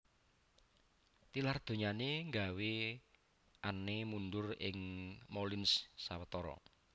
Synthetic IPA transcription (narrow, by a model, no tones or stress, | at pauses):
t̪ilard̪̥o̤ɲaneŋɡa̤we | ʔanːemunɖʊrɪ̰ŋmolɪnssawət̪ɔɾɔ̰